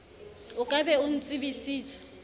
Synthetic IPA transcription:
ʊkʼabɛʊn̩t͡sʼɪbisiːt͡sʰʼḁ

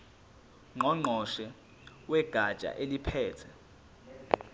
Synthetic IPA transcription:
ŋ͡ǃɔŋ͡ǃʱɔʃɛ | wɛɡ̥ʱḁt͡ʃʼa̰ʔelipʰɛːtʰɛ

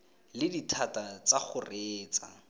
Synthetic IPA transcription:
lɪditʰatat͡saχʊreːt͡sa̰

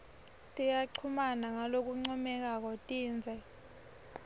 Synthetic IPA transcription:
tʼijaǀʰumanaŋalok̬uŋ͡ǀɔmɛk̬ak̬ɔtʼiːnd͡zʱɛ

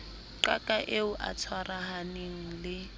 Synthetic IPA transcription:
ǃa̰kʼaʔeʊʔa̰t͡sʰwarahaneŋ̩lɪ

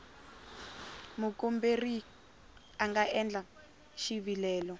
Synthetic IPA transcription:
mukomberi | aŋɡaɛnd͡ɮa | ʃiβilɛːlɔ

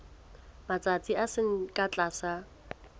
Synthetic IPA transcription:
mat͡sʼat͡sʼiasɪŋ̩kʼat͡ɬʼaːsa

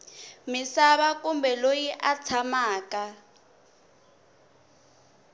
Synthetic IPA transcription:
misaβakumbɛlojiʔat͡sʰamaːka

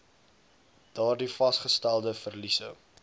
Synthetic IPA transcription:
d̥ɑːrdifɐsχəstælˠdəfərlisə̰

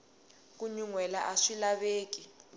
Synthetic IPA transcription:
k̬uɲuŋwɛlaʔaʂilaβeːki

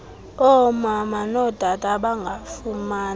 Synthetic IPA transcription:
ɔmamanɔd̥ʱatʼaɓaŋɡʱafumaːn

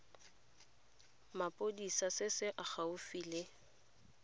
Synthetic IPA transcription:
mapʼodisasɪsɪʔaχaʊfiːle

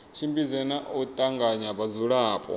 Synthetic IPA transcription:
ʃʰimbʼizɛnaʔɔtʼaŋɡʱaɲaɓazuɺaːpʼɔ̰

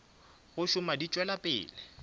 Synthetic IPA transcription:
ɣʊʃʊmadit͡ʃʼwɛlapʼɪ̰ːlɪ

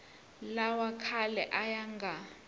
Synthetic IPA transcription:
lawakʰalɛʔajaŋɡʱa

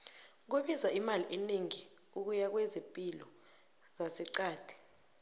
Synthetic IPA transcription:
k̬eɓizaimaliʔeneŋi | uk̬ujak̬wezimpʼilɔ | zasiǀaːd̥ʱi̥

